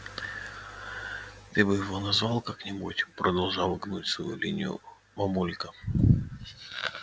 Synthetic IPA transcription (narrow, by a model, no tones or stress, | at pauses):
t̪ɨbɨjɪvonɐzvɑlˠkaknʲɪmotʲpɾʔəd̪ɐlˠʐɑlˠɡnutʲsvɐ̰jṵlʲḭnʲɪ̰jʊ̰ | mɐmulʲkə